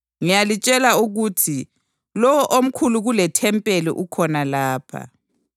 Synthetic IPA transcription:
ŋijalit͡ʃʼɛlauɣuːtʰi | lɔwɔʔom̩kʰuluɣulɛtʰɛmpʼelḭʔukʰɔnalaːpʰa̰

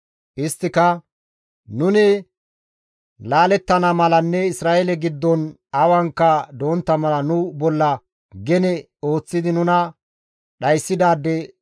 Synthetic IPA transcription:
ʔɪst̪ːɪkɐ | nʊnɪ | laːlɛt̪ːɐnamɐlɐnːɛɪsɾaːelɛɡɪd̪ːɔn | ɐwɐŋkːɐd̪oːnt̪ːɐmɐlɐnʊbɔlːɐ | ɡɛnɛ | o̞ːt͡sːɪd̪ɪnʊnɐ | ɗɐjsːɪd̪aːd̪ːɛ

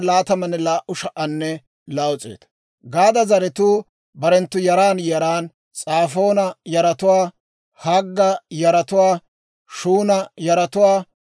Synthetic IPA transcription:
laːt̪ɐmɐnːɛlaːʔʊʃɐʔɐnːɛ | lawɔt͡sʼḛːt̪ | ɡaːd̪ɐzɐɾɛt̪uː | bɐɾɛnt̪ːʊjɐɾaːnjɐɾaːn | t͡sʼaːfo̞ːnɐjɐɾɐt̪ʊwaː | hɐɡːɐjɐɾɐt̪ʊwaː | ʃuːnɐjɐɾɐt̪ʊwaː

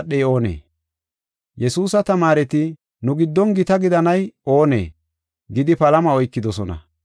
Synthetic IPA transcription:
ɗːɛjo̞ːnḛː | jɛsuːsɐt̪ɐmaːɾɛt̪ɪ | nʊɡɪd̪ːɔnɡɪt̪ɐɡɪd̪ɐnɐjo̞ːnḛː | ɡɪd̪ɪpɐlɐmɐɔjkːɪd̪ɔsɔnɐ̰

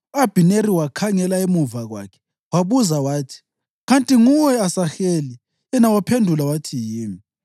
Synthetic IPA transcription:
ab̥ʱineɾiwakʰaŋɛlaemuvaɣwa̰kʰɛ̥ | waβuzawaːtʰi̥ | ɣantʼiŋuwɛasaxeːli | ɛnawapʰendʱulawatʰijiːmi

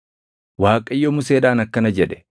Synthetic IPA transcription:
waːkʼɐɪjːomʊseːᶑaːnɐkːɐnɐd͡ʒɛᶑɛ̥

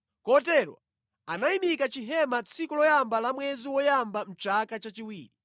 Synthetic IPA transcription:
kɔtɛɾwa̰ | anaimikat͡ʃiɦɛmat͡sʰikulɔjambalamwɛziwɔjambam̩t͡ʃakat͡ʃat͡ʃiwiːɾi

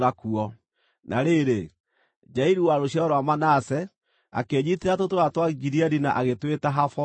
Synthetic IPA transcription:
ɾakuɔ | nʔaɾeɾe | d͡ʒaiɾiwaɾoɕjaɔɾwamanasɛ | a̰keːɲiteɾatotoɾatwaɡiɾiɛɾina̰ʔaɣetwetaɦafɔ

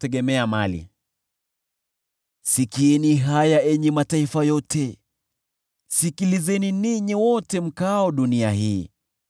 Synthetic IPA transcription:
tɛɠɛmɛamalḭ | sikiɛniɦajaɛɲɛmataifajɔtʰɛ | sikilizɛniniɲiwɔtɛm̩kaɔɗuniaɦiː

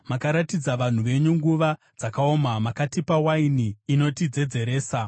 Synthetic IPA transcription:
makaɾatid͡zaʋan̤uʋe̞ɲuŋɡuʋa | d͡zakao̞mamakatipawainiːno̞tid͡ze̞d͡ze̞ɾe̞ːsa

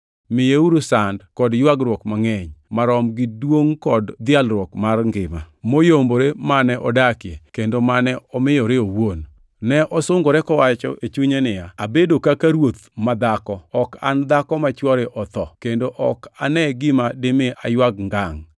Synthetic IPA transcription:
mɪjeuɾusandkɔdjwaɡɾwɔkmaŋɛɲmaɾɔmɡɪdwoŋkɔdd̪ɪalɾwɔkmarŋɡɪma̰ | mojomboɾemanɛʔɔdakjekendomanɛɔmɪjɔɾeowon | nɛʔɔsʊŋɡoɾɛkɔwat͡ʃɔ̰ʔet͡ʃuɲenɪjaabedokakaɾwot̪mad̪akɔɔka̰nd̪akɔmat͡ʃwɔɾɪʔɔt̪ɔkendoʔɔkanɛɡɪmadɪmɪʔa̰jwaɡ̚ŋɡaŋ

